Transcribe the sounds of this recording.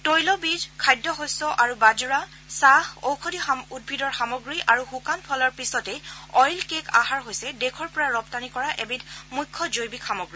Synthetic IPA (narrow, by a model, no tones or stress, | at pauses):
tojlɔbizkʰajdːɔɦɔsɔʔaɹubazuɹa | saho̰wkʰɔdiaud̚bʱidɔɹxamɔɡɹiʔaɹuhukanpʰɔlɔɹpisɔtɛjɔjlkeka̰haɹɦojsɛdekʰɔɹpɔɹaɹɔptanikɔɹaʔebidmujkʰːɔzojbikxamɔɡɹi